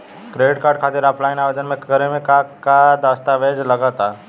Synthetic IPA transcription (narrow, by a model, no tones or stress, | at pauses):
kɾeɖʈkaːɾɖkʰat̪iɾaplaɪnaʋed̪ənmẽkəɾemẽkakad̪ast̪aʋed͡ʒləɡət̪a